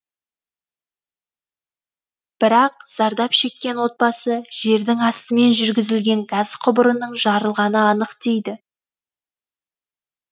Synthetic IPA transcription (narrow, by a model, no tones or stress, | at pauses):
b̥ɪɾɑqz̥ɑɾd̪ɑpʃe̞kʲːe̞nwo̞t̪̚bɑsəʒ̥e̞ɾd̪ɪŋɑst̪əme̞nʒʏɾɡʲɪzɪlɡʲe̞ŋɡɑz̥qʰʊbəɾənəɴʒɑɾəlˠʁɑnəɑnəqt̪ejd̪ɪ